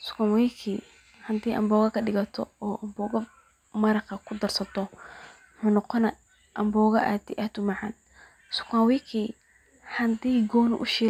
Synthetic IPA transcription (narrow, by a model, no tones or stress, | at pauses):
sʊ̥kanwiːkʰi | hɐnt̪iːʔɐ̰mbɔːɣɐkʰɐɗɪɣɐt̪ʰɔ̰ɔːʔɐmbɔːɣɐ | mɐɾɐqɐkʰʊd̪ɐrsɐt̪ʰɔ | ʊħuːnɔqɔnɐ | ʔɐmbɔːɣɐʔa̰t̪ɪʔɐt̪ʊmɑʕɑ̰n | sʊ̥kanwiːkʰi | ħɐnt̪iːɡɔːnʊ̰ʔʊʃiː